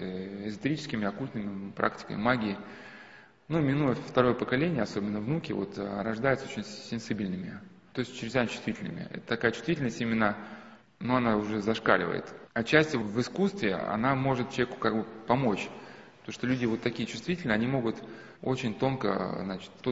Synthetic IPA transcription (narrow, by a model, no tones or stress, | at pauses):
ɪzɨt̪ɨɾʲit͡ɕɪskʲɪmʲɪɐkulʲt̪nɨmʲɪpɾʔa̰ktʲɪ̥kə̰mʲɪ̰maɡʲɪɪ | numʲɪnujəft̪ɐɾo̞jəpəkɐlʲenʲɪjəɐso̞bʲɪnːəvnukʲɪvo̰t̪ɾɐʐd̪ajɪt̪so̥t͡ɕʲɪnʲsʲɪnsʲibʲilʲnɨmʲɪt̪o̞ɪsʲtʲt͡ɕːɪɾʲɪzʲanʲt͡ɕʊ̥st̪vʲitʲɪlʲnɨ̰mʲɪ̰ɛ̰t̪ə̥t̪ɐkajət͡ɕʊst̪vʲitʲɪlʲnəsʲtʲimʲɪnːə | nuɐnaʊʐɛzɐʂka̰lʲɪ̰və̰jɪ̰t̪ɐt͡ɕːæsʲtʲɪvɨskust̪vʲɪɐ̰namo̞ʐɨt̪̚t͡ɕʲvʲkʊ̥kaɡ̚bɨpɐmot͡ɕ | t̪oʂt̪olʲudʲɪvo̞t̪ːɐkʲijət͡ɕʊ̥st̪vʲitʲɪlʲnəɐnʲimo̞ɡʊt̪ | o̞t͡ɕɪnʲt̪o̞nkə̰znat͡ɕɪ̥t̪t̪o